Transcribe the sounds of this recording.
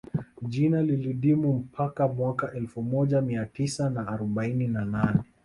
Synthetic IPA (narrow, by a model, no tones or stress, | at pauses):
ʄinaliliɗimum̩pʰakamwakaʔɛlfumɔʄamiatisanaːɾɔɓaininananɛ